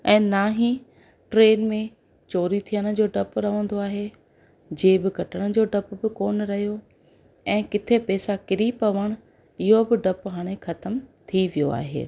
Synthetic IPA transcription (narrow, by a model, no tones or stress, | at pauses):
ɛ̃ːnaːɦĩ | ʈɾeːnmẽ | t͡ɕoːɾit̪ʰijəñə̆d͡ʑoːɖɐpɾɐʋə̃nd̪oaːɦe | d͡ʑeːbɪkɐʈʰəɽ̃ʊ̆d͡ʑoːɖɐpbɪkoːnɾɐɦijo | ɛ̃ːkɪt̪ʰepɛːsakɪɾipɐʋəɽ̃ʊ | ɪɦobɪɖɐpɦaːɽ̃exɐt̪əmt̪ʰiʋijo̰a̰ːɦḛː